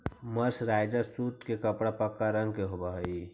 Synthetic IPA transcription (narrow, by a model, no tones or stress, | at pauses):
məɾsɾaɪd͡ʒəsuːt̪kekəpɽapəkːaɾə̃ŋɡkeɦobaɦəi